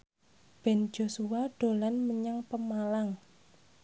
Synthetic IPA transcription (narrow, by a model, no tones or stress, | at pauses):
b̥ɛ̤nd͡ʒ̥osuwaɖ̥o̤lanməɲaŋpəmalaŋ